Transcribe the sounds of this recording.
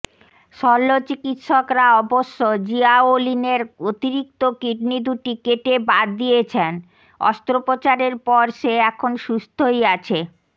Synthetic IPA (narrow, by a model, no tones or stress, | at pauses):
ʃɔlːot͡ɕikit̪ʃɔkɾaɔboʃːod͡ʑiaolineɾot̪iɾik̚t̪okiɖnid̪uʈikeʈebaɾd̪ijet͡ɕʰen | ɔ̰st̪ɾopot͡ɕaɾeɾpɔɾʃeɛkʰonʃust̪ʰojat͡ɕʰe